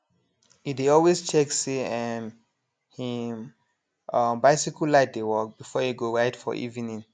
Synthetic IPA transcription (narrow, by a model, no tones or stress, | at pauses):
ideɔlwest͡ʃɛksiɛn | him | ʌmbaɪsikɔlaɪt̚dewɔk̚b̥ifɔjeɡoɹaɪdfɔ̰ʔḭvĩnĩŋ